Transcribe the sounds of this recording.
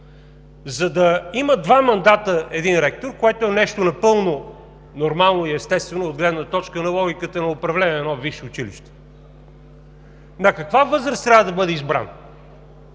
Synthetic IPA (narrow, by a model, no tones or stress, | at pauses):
zɐd̪ɐiməd̪vamɐnd̪at̪əɛd̪inɾɛk̚t̪oɾkoɛt̪ʊɛnɛʃt̪onɐpɤlˠno | noɾmalˠnoiɛst̪ɛst̪vɛnʊːd̪ɡlɛd̪nət̪ɔt͡ʃkənɐlˠɔɡʲikət̪ənɐʊpɾɐvlɛnʲiɛnɔviʃɪʊt͡ʃilḭʃt̪ɛ̥ | nɐkɐkvavɤzɾəst̪ɾʲavəd̪ɐbɤd̪ɛizbɾa̰n